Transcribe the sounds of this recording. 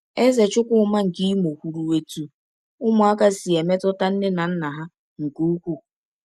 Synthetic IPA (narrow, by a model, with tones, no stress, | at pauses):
e˦ze˨t͡ʃʊ˦kʷʊ˦ʊ˨ma˦ŋ̩˨ki˦i˦mo˨kʷu˨ɾu˨we˨tu˦ | ʊ˦mʊ˨a˦ka˦si˨e˨me˦tʊ˦ta˦n̩˦ne˦na˨n̩˦na˨ɦa˦ | ŋ̩˨ku˦u˦kʷu˦˨